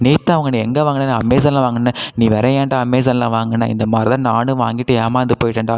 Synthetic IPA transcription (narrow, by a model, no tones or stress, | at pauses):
niːt̪ːãːɐʋɐŋɡɐnĩːɛŋɡeːʋaːŋɡɐnːaniːɐmːeːsɐnlãːʋaːŋɡɐnːɯnĩːʋɛɾɐjaːɳɖaːɐmeːsɐnlã̰ːʋaːŋɡɐnːa̰ːɪ̰nd̪ɐmaːd̪ɾɪt̪ãːnaːnɯʋaːŋɡɪʈːɯaːmaːɐnd̪ɯpoːjɪʈːɐɳɖaː